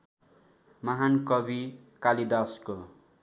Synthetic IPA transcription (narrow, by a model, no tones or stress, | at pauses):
maɦankʌbi | kalid̪asko